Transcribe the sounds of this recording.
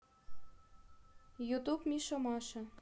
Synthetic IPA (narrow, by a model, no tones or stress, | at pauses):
jut̪upmʲiʃomɑʃɤ̆